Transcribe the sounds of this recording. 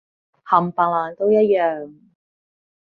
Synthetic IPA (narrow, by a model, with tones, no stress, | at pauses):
hɐ˨mpaː˨ŋ̚laː˨nt̪o˥wjɐ˥t̚jœː˨ŋ